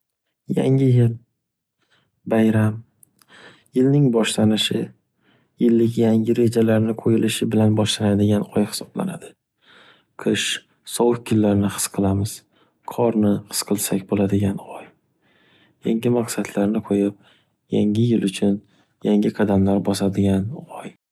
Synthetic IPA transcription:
ja̰ŋʲɪjɪl | bajɾam | jɪlnɪŋbɒʃlanɪʃɪ | jɪlːɪkʲjaŋʲɪɾe̞d͡ʒalaɾnɪqʰojɪlɪʃɪbɪlanbɒʃlanad̪ɪɡʲanɒjhɪ̥sɒbla̰na̰d̪ɪ | qʰɨʃ | sɒwɨkʲkʰːɪlːaɾnɪhɨ̥sqʰɨlˠamɪz̥ | qʰɒɾnɪhɨ̥sqʰɨlˠsakʲbolad̪ɪɡʲanɒj | jaŋɡʲɪmaqsat̪ʰlaɾnɪqʰojɪp̚ | jaŋɪjɪlʊt͡ʃʰʊn | jaŋʲɪqʰɑd̪amlaɾbɒsad̪ɪɡʲanɒj

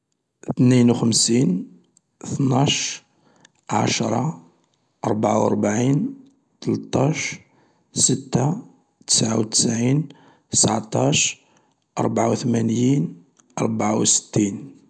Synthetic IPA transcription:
θninwxəmsin | θnɑʃ | ʕa̰ʃɾˤɑ̰ | ʔɑ̰ɾˤbaʕawə̰ɾˤbaʕin | t̪əlt̪ˤːɑʃ | sət̪ːa | t̪ə̥sʕawt̪ə̥sʕin | t̪ə̥sʕt̪ˤɑʃ | ʔɑ̰ɾˤbʕawt̪mænjin | ʔɑ̰ɾˤbaʕa̰wsə̥t̪ːin

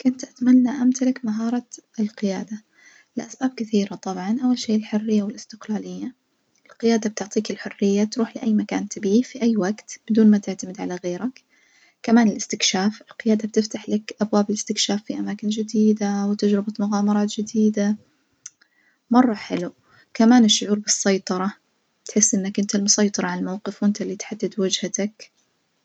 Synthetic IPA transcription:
kʊnt̪ʔat̪manːaʔamt̪alakmaɦɑːɾˤɑɪlqɪjaːd̪a | lɪʔasbaːb̚kɪθiːɾat̪ˤɑbʕɑnʔawːalʃeːʔɪlħʊrːɪjːawɪlɪst̪ɪqlaːlɪjːa | ʔɪlqɪjaːd̪ab̚t̪ʊʕt̪ˤiːkɪlħʊrːɪjːat̪ɾuːħlɪʔajːmaka̰ːnt̪abiːfiʔajːwaɡt̪b̥ɪd̪uːnmat̪ɪʕt̪amɪd̪ʕalaɣeːɾak | kamaːnɪlɪst̪ɪkʃaːfɪlqɪjaːd̪abt̪ɪft̪aħlakʔabwaːbɪlɪst̪ɪkʃaːfːiʔamaːkɪnd͡ʒɪd̪iːd̪awɪt̪ad͡ʒɾɪbat̪mʊɣaːmɑɾˤɑːt̪d͡ʒɪd̪iːd̪a | mɑrˤːɑħɪlu | kamaːnɪʃːʊʕuːɾbɨsˤːɑjt̪ˤɑɾˤɑ | t̪ħɪsːʔɪnːakʔɪnt̪almʊsɑjt̪ˤɑɾˤɑʕalmawqɨfwɪnt̪alːiːt̪ħad̪ːɪd̪wɪd͡ʒhat̪ak

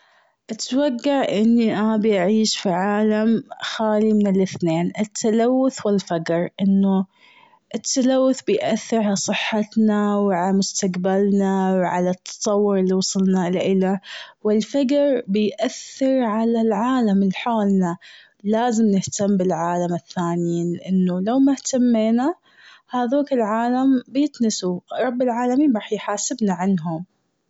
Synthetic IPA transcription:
ʔat̪waɡːaʕʔɪnːiʔabiʔaʕiːʃfiʕaːlamxaːlimɪnɪlɪθneːnɪt̪ʰːalawːʊθwɪlfaɡɾʔɪnːʊ | ʔɪt̪ʰːalawːʊθbɪjʔaθːɪɾhasˤɨħːat̪nawʕalamʊst̪aqbalnawʕa̰lat̪ʰːɑ̥t̪ˤɑwːʊɾɪlːiwɑsˤɨlnaʔɪlaʔɪlawɪlfaɡɾbɪjʔaθːɪɾʕalalʕaːlamɪlħoːlna | laːzɪmnɪht̪amːbɪlʕaːlamɪθːaːnjiːnlɪʔɪnːulawmaht̪amːeːna | haːðoːkɪlʕaːlambjɪt̪nɪsuɾˤɑbːɪlʕaːlamiːnɾɑːħjħaːsɪbnaʕanɦʊm

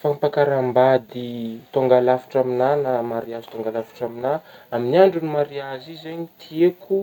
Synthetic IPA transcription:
fanpakaɾambad̪it̪oŋɡalafi̥ʈ͡ʂaminanamaɾiazit̪oŋɡalafi̥ʈ͡ʂaminaaminiaɳɖ͡ʐunimaɾiazizeɲit̪ʰieku

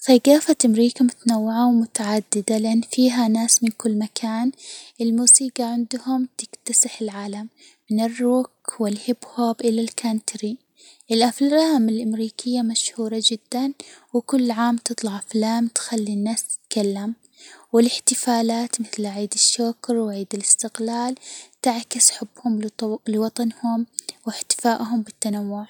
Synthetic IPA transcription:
θaɡaːfat̪ʔamɾiːkamʊt̪anawːɪʕawmʊt̪aʕad̪ːɪd̪alɪʔanːfiːɦanaːsmɪnkʊlːmakʰaːnʔɪlmuːsiːɡɑʕɪnd̪hʊmt̪ɪkt̪asɪħɪlʕaːlamː | ɪnɪrːuːkwɪlhɪbhoːbʔɪlalkʰant̪ɾi | ʔɪlʔaflaːmɪlʔamɾiːkɪjːamaʃhuːɾˤɑd͡ʒɪd̪ːanwɪkʊlːʕaːmt̪ɨt̪ˤlɑʕʔaflaːmt̪xalːinːaːst̪ɪ̥t̪kalːam | wɪlɪħt̪ɪfaːlaːt̪mɪθlʕiːd̪ɪʃːʊkɾwʕiːd̪ɪlɪst̪ɪqlaːlt̪ɪʕkɪsħʊbːhʊmlɪwɑt̪ˤɑnhʊmwɪħt̪ɪ̥faːʔɦʊmbɪt̪ːanawːʊʕ

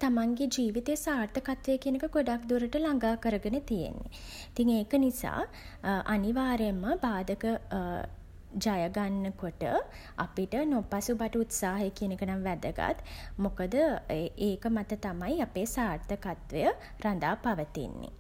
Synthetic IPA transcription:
t̪amaŋɡed͡ʒiːʋit̪ejəsaːrt̪əkat̪ʋejəkijənekəɡoɖakd̪uɾəʈəlaŋɡaːkəɾəɡənət̪ijḛnːḛit̪iŋeːkənisa̰ː | ʔaniʋaːɾemːəbaːd̪əkə | d͡ʒajəɡanːəkoʈə̰ | a̰piʈənopasubaʈəut̪saːɦəjəkiənekənaŋʋæd̪əɡa̰t̪mokəd̪əeːkəmat̪ət̪amajapeːsaːɾt̪əkat̪ʋejə | ɾand̪aːpaʋət̪ḭnːḛ

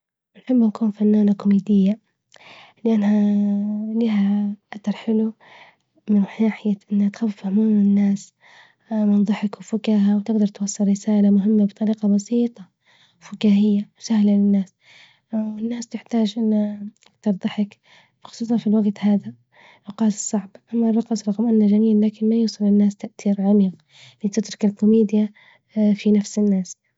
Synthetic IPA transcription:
ɪnħɪbːɪnkuːnfanːaːnakʊmiːd̪ɪjːa | lɪʔanːha | liːɦaʔaθɑɾˤħɪlu | mɪnħaːħɪjaʔɪnːhat̪xawfahmɪɪnːaːs | mɪnðˤɨħɪkwfʊkaːhawt̪ɪɡd̪ɑɾˤt̪wɑsˤːɨɾːɪsaːlamʊɦɪmːabɨt̪ˤɑɾiːqɑbɑsiːt̪ˤɑ | fʊkaːhɪjːawsahlalɪnːaːs | wɪnːaːst̪ɪħt̪aːd͡ʒʔɪnːaat̪ɑɾˤðˤɨħɪk | bxʊsˤuːsˤɑnfilwaɡt̪haːða | lʊqɑːt̪ɨ̥sˤːɑʕbʔamːarˤːɑqmsɾˤɑqmʔanːad͡ʒamiːllːaːkɪnmajuːsˤɑlɪnːaːst̪aʔt̪iːɾʕamiːq | lit̪ɪd̪ɾɪkalkʊmiːd̪ja | finafsɪnːaːs

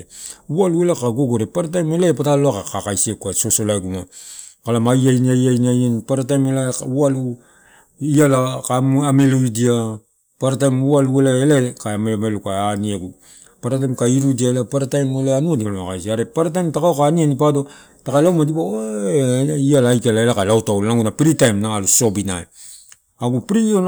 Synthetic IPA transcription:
ualuelakaɡoɡoɾepaɾatajmelapataloakakakajsekuasosolaɡumakalamajajniajajniajanpaɾatajmelaualu | ialakamameloidia | paɾatajmualuelaelakaamelmelukaaniaɡu | paɾatajmkaiɾudiaelapaɾatajmeleanuadialmakajsiaɾepaɾat̬ajmtakaokaːnianipado̞ | takalawmadibao | ialaːjkelaelakalawtawlnaŋɡunapɾitajmnaaluso̞bina̰e | aɡupɾion

